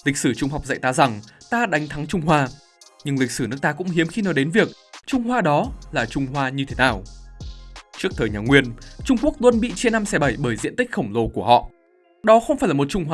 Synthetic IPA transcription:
lï˨˩k̟̚sɨː˧˩t͡ɕʊ˧ŋ͡mɦa˨˩wk͡p̚zə̰˧˨jt̪aː˨˧za˨˩ŋt̪aː˧ɗa˨˦jŋt̪ʰa˨˦ŋt͡ɕʊ˧ŋ͡mɦwaː˧ | ɲɨ˧ŋli˨˩k̟̚sɨ˧˩nɨ˦˥ək̚t̪ːkʊ̰˧˥ŋ͡mhi˨˦əmxi˧nɔ˨˦jɗe˨˦nvi˨˩ək̚t͡ɕʊ˧ŋ͡mɦwaː˧ɗɔ˨˦laː˨˩t͡ɕʊ˧ŋ͡mhwaː˧ɲɨ˧t̪ʰe˨˦naː˨˩w | t͡ɕɨ˦˥k̚t̪ʰəː˨˩jɲaː˨˩ŋwi˧ənt͡ɕʊ˧ŋ͡mku˦˥ək̚lwə˧nɓḭ˧˨t͡ɕe˧nːa˧msɛ˧˩ɓə˧˩jɓəː˧˩jzḭ˧˥ənt̪ï˦˥k̟̚xə˧˩wŋ͡mlo˧˩ku˧˩əhɔ̰˧˨ | ɗɔ˨˦xə˧wŋ͡mfaː˧˩jlaː˨˩m˨˩t̚t͡ɕʊ˧ŋ͡mha˧

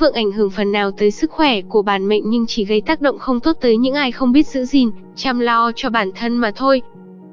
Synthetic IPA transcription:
ɨ̰˧˨əŋʔa˧˩jŋ̟ɦɨ˧˩əŋfə˨˩nːaː˨˩wt̪əː˨˦jsɨ˦˥k̚xwɛ˧˩ku˧˩əɓaː˧˩nmḛ˧˨ŋ̟ɲɨ˧ŋt͡ɕi˧˩ɣə˧jt̪aː˦˥k̚ɗo̰˧˨wŋ͡mxə˧wŋ͡mt̪o˦˥t̚t̪əː˨˦jɲɨ̰˧˥ŋʔaː˧jxə˧wŋ͡mɓi˦˥ət̚z̥ɨ̰˧˥zi˨˩n | t͡ɕaː˧mlɔ˧t͡ɕɔ˧ɓaː˧˩nt̪ʰə˧nmaː˨˩t̪ʰo˧j

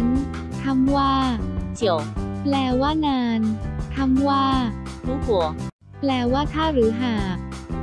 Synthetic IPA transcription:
n | t̪ʰa˧mwaː˥˩t͡ɕi˨˩ə˦wplɛː˧waː˥˩naː˧nt̪ʰa˧mwaː˥˩kuː˧˥˦hu˨˩˦ | plɛː˧waː˥˩t̪ʰaː˥˩ɾɯː˩˦ɦaː˨˩k̚

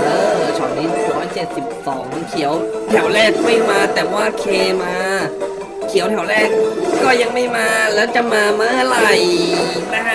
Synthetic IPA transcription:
ʔɤː˧˩˦t͡ɕʰɔː˨˩˦ŋniː˦˥˨ɾɔː˦˥jt͡ɕe˨˩t̪̚si˨˩p̚sɔː˩˦ŋkʰi˨˩˦əwt̪ʰɛ˩˦wɾɛː˥˩k̚hu˥˩˨jmaː˧t̪ɛː˨˩waː˥˩kʰeː˧maː˧ | kʰi˨˩˦wt̪ʰɛ˨˩˦wɾɛː˥˩k̚kɔː˥˩ja˧ŋma˥˩jmaː˧lɛː˦˥wt͡ɕa˨˩ʔmaː˧maː˧˥˩la˨˩jna˦˥kʰa˦˥

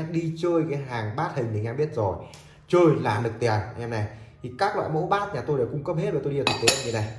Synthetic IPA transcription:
ɗi˧t͡ɕəː˧jkaː˨˦jɦaː˨˩ŋɓaː˦˥t̚hï˨˩ŋ̟ɗe˨˩ŋaː˧ɓi˦˥ət̚zo˨˩j | t͡ɕəː˧jla̰ː˧˨˩nɨ˨˩k̚t̪i˨˩ə˨˩n˨ʔɛ˧mna˨˩jt̪ʰi˨˩kaː˦˥k̚lwa̰ː˧˨jmo̰˧˥ɓaː˦˥t̚ɲaː˨˩t̪o˧jɗwkʊ˧ŋ͡mkə˦˥p̚he˦˥t̚ɗə˨˩t̪o˧iː˧˨˩t̪̚ʰːt̪ə˨˦˧ŋɲi˧˦na˨˧˩j

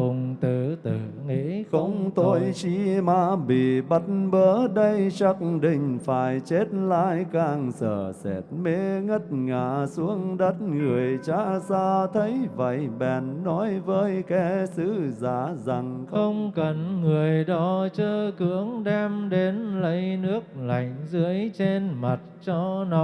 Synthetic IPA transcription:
ʊ˨˩ŋ͡mt̪ɨ˧˨˩t̪ɨ˧˨ŋi˧˨˦xə˧wŋ͡mt̪o˧jt͡ɕi˧maː˧˦ɓḭ˧˩ɓə˧˦t̚n̩ɓəː˨˦ɗə˧jt͡ɕa˦˥k̩̚ɗï˧˩ŋ̟faː˧˩jt͡ɕe˦˥t̚laː˧˥jkaː˧ŋsə̰ː˧˩sɛ̰˧˩t̚me˧˦ŋə˦˥t̚ŋaː˧˩su˨˦əŋɗə˦˥t̚ŋɨ˨˩əjt͡ɕaː˧˦saː˧t̪ʰə˨˦jvə̰˧˨˩jɓɛ˨˩nːɔ˨˦jvəː˨˦jkɛ˧˦sɨ˧˦zaː˧˩za˨˩ŋxə˧wŋ͡mkə˨˩nŋɨ˨˩əjɗɔ˨˦t͡ɕəː˧kɨ˧˦əŋɗɛ˧mɗe˨˦nlə˨˦jnɨ˦˥ək̚la̰˨˩˨jŋ̟zɨ˨˦əjt͡ɕe˧nma˨˩t̚t͡ɕɔ˧nɔ˨˦

